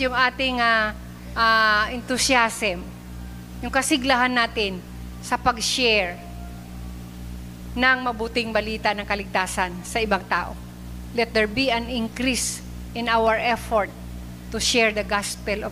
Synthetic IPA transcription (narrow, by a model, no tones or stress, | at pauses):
jʊŋʔaːt̪ɪŋa | ʔaʔɪnt̪ʊsjasm | jʊŋkɐsɪɡlɐɦanːaːt̪ɪn | sɐpɐɡʃɛɹ | nɐŋmɐbuːt̪ɪŋbɐliːt̪anɐŋkɐlɪɡ̚t̪aːsɐnsɐʔɪbaŋt̪a̰ːʔo̰ | lɛt̪̚d̪ɛɹbiɐnɪŋkɾis | ʔɪnawɛɹʔɛfoɹt̪̚ː | ʊʃɛɹd̪ɐɡaspɛlo